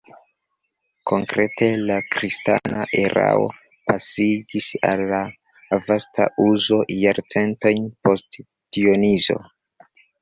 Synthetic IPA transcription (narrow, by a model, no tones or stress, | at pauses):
kʰo̞ŋkɾe̞tʰe̞lakɾista̰nʔaʔeɾʔa̰o̞̰ | pasiɡisa̰lːa | vastʰa̰ʔuzo̞jaɾt͡se̞nto̞jnpo̞st | pio̞nizo̞̰